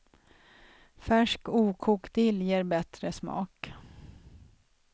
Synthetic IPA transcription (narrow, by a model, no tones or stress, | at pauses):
fæʂkuːkʰuːkd̪ɪljeːɾbɛt̪ɾəsmɑ̰ːk